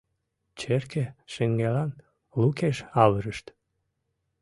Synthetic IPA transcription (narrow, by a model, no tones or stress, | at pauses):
t͡ɕerkeʃeŋɡelɑn | lukeʃɑβəɾəʃt̪